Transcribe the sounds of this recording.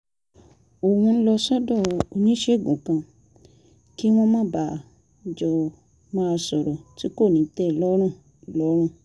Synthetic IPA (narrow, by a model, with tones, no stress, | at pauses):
o˨wũ˧n̩˦lɔ˧sɔ˦dɔ˦˨o˧ɲĩ˦ʃe˦˨ɡũ˨kã˧ | ki˦w̃ɔ̃˦mã˦˨ba˨ | d͡ʒɔ˨ | mã˦˧sɔ˨ɾɔ˨ti˦ko˦˨nĩ˨˦tɛ˦˨lɔ˦ɾ̃ũ˦˨ | lɔ˨˦ɾ̃ũ˦˨